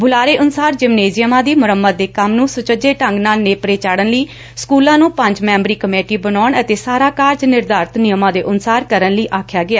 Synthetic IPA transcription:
bʊlaːɾeːʔʊnʊsaːɾd͡ʒɪmneːzɪjəmãːd̪iːmʊɾəmːəd̪̚d̪eːkəmnũːsʊt͡ʃəd͡ʒeːʈəŋɡnaːlneːpɾeːt͡ʃaːɽənləiː | skuːlãːnũːpəɲd͡ʒmɛ̃ːmbɾiːkəmeːʈiːbənɔːɳət̪eːsaːɾaːkaːɾd͡ʒnɪɾd̪aːɾt̪nɪjəmãːd̪eːʔʊnsaːɾkəɾənləiːʔaːkʰjaːɡɪaː

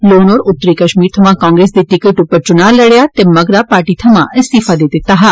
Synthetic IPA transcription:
loːnoːɾʊt̪ːɾikɐʃmiːɾt̪ʰɐmãkɔ̃ːŋɡɾeːsd̪iʈɪkɪʈʊpəɾt͡ʃʊnaːɾləɽjat̪emɐɡɾapaːɾʈit̪ʰɐmãʔɪ̃st̪ifad̪ed̪ɪt̪aɦa

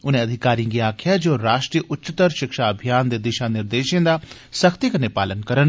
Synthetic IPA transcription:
ʊnẽɐd̪ʱɪkaːɾijãɡiaːkʰjad͡ʒoːɾaːʃʈɾijəʔʊtːt͡ʃɪt̪əɾʃɪkʃaɐbʱijaːnd̪eːd̪ɪʃãnɪɾd̪eːʃẽd̪a | səkʰt̪ikənepaːlənkəɾən

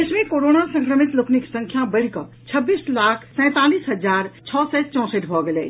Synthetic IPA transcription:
esmẽkoɾonasə̃ŋkɾəmit̪lokʰniksə̃ŋkʰjabəɽkɔ | t͡ʃʰəbːiːslakʰsɛ̃ːt̪aliːsɦəd͡ʒaːɾt͡ʃʰɔsɛt͡ʃɔ̃ːsəʈbʱɔɡelɛ

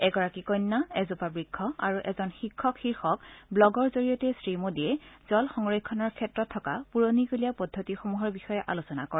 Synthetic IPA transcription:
ɛɡɔɹakikɔjnːaɛzupabɹikʰːɔa̰ɹuʔɛzɔnxikʰːɔkxiɹxɔkblɔɡɔɹzoɹijɔtɛsɹimodiɛz̥ɔlxɔŋɹɔjkʰːɔnɔɹkʰɛtɹɔtʰːɔkapuɹonikolijapɔdʱːotixomuɦɔɹbixɔjɛʔa̰losɔnakɔɹɛ

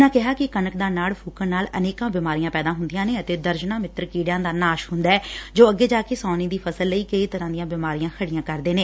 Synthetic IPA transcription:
nãːkɪɦaːkɪkənəkd̪aːnaːɭpʰuːkənaːlə̰neːkãːbɪːmaːɾijãːpɛːd̪aːɦʊnd̪ɪjãːneːət̪eːd̪əɾd͡ʒnãːmɪt̪ːɾkiːɽjãːd̪aːnaːʃɦʊnd̪aɛːd͡ʒoːəɡeːd͡ʒaːkeːsɔːniːd̪iːpʰəsəlːəiːkəiːt̪əɾãːd̪ɪjãːbɪːmaːɾijãːkʰəɽɪjãːkəɾd̪eːneː

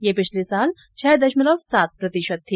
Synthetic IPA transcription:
jepɪt͡ʃʰlesaːl | t͡ʃʰɛːd̪ɐʃməlɐwsaːt̪̚pɾɐt̪ɪʃət̪ʰːiː

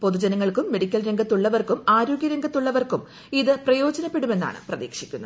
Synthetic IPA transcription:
po̞ðud͡ʑɐnɐŋːɐɭkumːe̞ɽikʲːɐlɾeŋɡʱɐt̪ːuɭːɐʋɐrkumaːɾo̞ːɡʲjɐɾeŋɡɐt̪ːuɭːɐʋɐrkum | iðɨprɐjo̞ːd͡ʑɐnɐpːe̞ɽume̞nːa̰ːɳɨ̰prɐðḭːkʂikʲːunːɐ

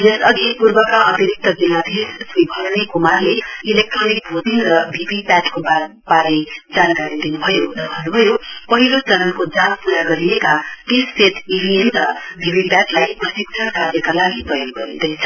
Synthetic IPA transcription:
d͡zʌsʌɡpurbʌkaʌt̪iɾik̚t̪ʌd͡zilad̪ʱessibʱʌɾnekumarleilek̚ʈronik̚bʱot̪inrʌbʱibipaʈkoba | paɾed͡zankaɾid̪inubʱʌjoɾʌbʱʌnːubʱʌjopʌɦilot͡sʌnʌnkod͡zanpuɾaɡʌɾijekaʈesset̪ʰibʱienɾʌbʱipipaʈlajprʌsik̚t͡sʰʌnkaʌkalaɡipʌjʌnɡʌɾid̪ʌjt͡sʰʌ̥

